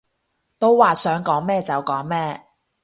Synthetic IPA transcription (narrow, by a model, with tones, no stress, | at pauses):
t̪o˥wwaː˨sœː˨˥ŋkɔː˨˥ŋmɛː˥t͡sɐ˨wkɔː˨˥ŋmɛː˥